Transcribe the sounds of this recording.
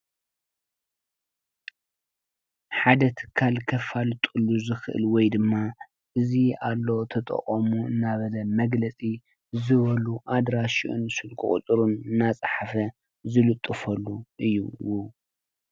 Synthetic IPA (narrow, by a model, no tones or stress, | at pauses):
ħad̪ɐt̪ʰɨ̥kʰalkʰɐfalt̪ʼulːuzɨxɨʔɨ̰lwɔjd̪ɨmːa | ʔɨzialːo̞t̪ʰɐt̪ʼɐ̰χʼɐmuɨnːaβɐlɐmɐɡlɐt͡sʼi | zɨβɐluʔad̪ɾaʃiʔṵnsɨlkʰɨχʼṵt̪ʼɾunɨnːat͡sʼaħafɐ | zɨlɨt̪ʼːɨfɐlːuʔɨjːuwu